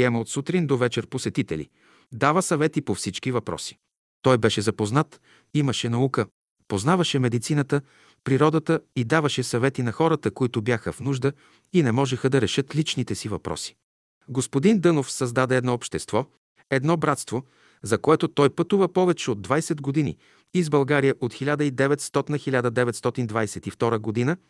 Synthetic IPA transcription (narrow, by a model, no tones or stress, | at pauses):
ɛməot̪sut̪ɾind̪ovɛt͡ʃɛɾposɛt̪it̪ɛ̰lḭ | d̪avəsɐvɛt̪ipofsit͡ʃkivɐpɾɔ̰si̥ | t̪ɔjbɛʃɛzɐpoznat̪ | iməʃɛnɐukə | poznavɐʃɛmɛd̪it̪sinət̪ə | pɾiɾɔd̪ət̪əid̪avɐʃɛsɐvɛt̪inɐxɔɾət̪əkoit̪ʊbjaxəfnuʒd̪ə | inɛmɔʒɛxəd̪ɐɾɛʃɤt̪lit͡ʃnit̪ɛsivɐpɾɔ̰si̥ | ɡospod̪ind̪ɤnofsɐzd̪ad̪ɛɛd̪nɔopʃt̪ɛst̪vɔ | ɛd̪nɔbɾat̪st̪vo | zɐkoɛt̪ot̪ɔjpət̪uvəpɔvɛt͡ʃɛod̪ːvajsɛd̪ɡod̪inḭ | izbɐlˠɡaɾijəʔot̪xilʲad̪əid̪ɛvɛt̪st̪ɔt̪inəxilʲad̪əd̪ɛvɛt̪st̪ɔt̪ind̪vajsɛt̪ift̪ɔɾəɡod̪inə